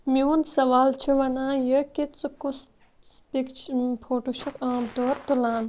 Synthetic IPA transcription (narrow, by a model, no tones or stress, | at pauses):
mijuːnsɐʋaːlt͡ʃʰiʋɐnãːjəkit͡sɨkus | spikt͡ʃʰpʰoːʈoʃɐkãːmt̪oːɾt̪ulaːn